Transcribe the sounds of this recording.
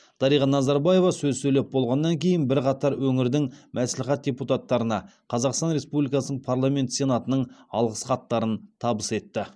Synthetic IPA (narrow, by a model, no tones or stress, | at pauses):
d̪̥ɑɾijʁɑnɑzɑɾbaje̞vɑsɵzsɵjlʲep̚bo̞lˠʁɑnːɑŋkʲʰe̞jɪnbɪɾqɑt̪ɑɾwɵŋɪɾd̪ɪŋmʔæslɪχæt̪̚d̪̥ʲe̞put̪at̪ːɑɾənɑqʰɑzɑqst̪ɑnɾe̞spublijkɑsənəɴpʰaɾlˠame̞nt̪se̞nɑt̪ənəɴɑ̰lˠʁəsqɑt̪ːɑɾənt̪ʰɑbəse̞t̪ːɪ